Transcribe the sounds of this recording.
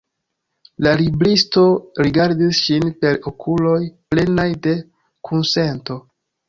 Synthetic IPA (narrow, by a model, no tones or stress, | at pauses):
lalibɾisto̞ɾiɡaɾdisʃinpe̞ɾokʰulo̞jple̞najde̞ | kʰunse̞nto̞